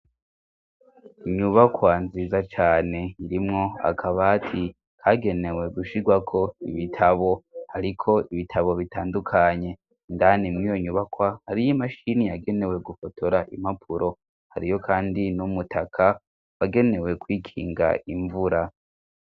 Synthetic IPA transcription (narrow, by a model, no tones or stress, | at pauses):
iɲuβakʰwaːnziːzat͡ʃaːne̞iɾimŋo̞a̰kʰaβaːtʰi | kʰaɡe̞ne̞we̞ɡuʃiɡwakʰo̞iβitʰaβo̞haɾikʰo̞iβitʰaβo̞βitaːndukʰaɲe̞ | ndanimŋijo̞ɲuβakwahaɾijimaʃinijaɡe̞ne̞we̞ɡufotʰo̞ɾaʔimapʰuɾo̞ | haɾijo̞kʰaːndinumutʰakʰa | waɡe̞ne̞we̞kwiːkʰiːŋɡa̰iɱvuɾa